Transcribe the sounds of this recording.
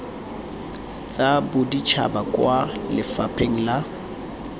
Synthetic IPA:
t͡sʼabʊdit͡ʃʰa̰bakʼwalɪfapʰeŋ̩la

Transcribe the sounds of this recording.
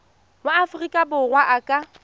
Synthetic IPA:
waafrikʼabʊrwaʔakʼa

